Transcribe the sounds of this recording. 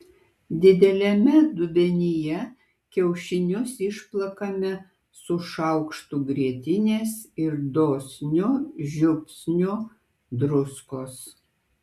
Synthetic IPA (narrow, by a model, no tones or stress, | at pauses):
d̪ʲɪd̪ʲɛlʲɛmʲɛd̪ʊbʲɛnʲɪjɛ | kʲɛʊʃʲɪnʲʊsɪʃplˠɐkɐmʲɛ | sʊʃɐʊkʃt̪uɡɾʲiɛt̪ʲɪnʲeːsɪɾd̪oːsʲnʲʊʒʲʊpʲsʲnʲʊ | d̪ɾʊskoːs